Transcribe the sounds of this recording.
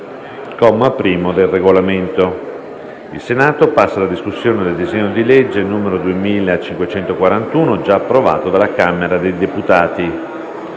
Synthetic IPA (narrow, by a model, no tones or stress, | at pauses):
kɔmːapːɾiːmod̪elreɡolament̪o | ḭlsenaːt̪opasːalad̪iskusːjoːned̪eld̪izeɲːod̪iled͡ʒːenːuːmeɾod̪uemiːlat͡ʃiŋkwet͡ʃɛnt̪okwaɾant̪uːnod͡ʒaːpːɾova̰ːt̪od̪alːakameɾad̪ejd̪eput̪aːt̪i